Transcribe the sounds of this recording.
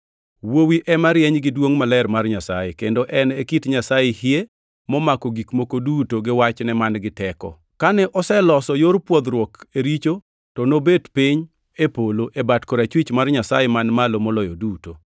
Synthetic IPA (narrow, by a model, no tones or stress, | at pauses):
wowiʔɛmaɾjɛɲɡɪdwoŋmalɛɛrmarɲasajekendoʔɛnekitɲasajehje | mɔmakɔɡikmokodutoɡɪwat͡ʃnɛmanɡɪtɛkɔ̰ | kanɛʔɔsɛlɔsɔjoɾpwod̪ɾwɔkeɾit͡ʃo | tɔnobedpiɲ | epoloʔebatkoɾat͡ʃwit͡ʃmarɲasajemanmalomɔlɔjɔduto